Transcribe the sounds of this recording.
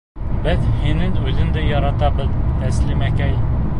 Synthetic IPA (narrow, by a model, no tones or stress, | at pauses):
bɪðhenɪnøzɪnd̪ɛjɑɾɑt̪ɑbɨðt̪ʰɛslɪmɛkʲɛj